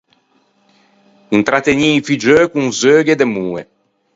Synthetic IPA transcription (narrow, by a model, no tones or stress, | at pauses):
int̪ɾat̪eɲifid͡ʒøːkuŋzøːɡed̪emuːe